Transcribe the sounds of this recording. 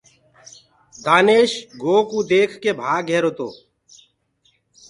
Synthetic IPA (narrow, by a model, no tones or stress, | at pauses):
d̪aːneːʃɡoːkuːd̪eːkʰkeːbʱaːɡʱeːɾoːt̪o̰ː